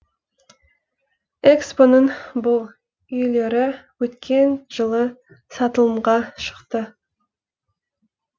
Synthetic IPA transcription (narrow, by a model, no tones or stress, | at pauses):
ekspo̞nəɴbʊlˠ | ʏjle̞ɾɪwɵt̪kʲʰe̞nʒ̥əlˠə | sɑt̪əlˠəmʁɑʃə̥qt̪ə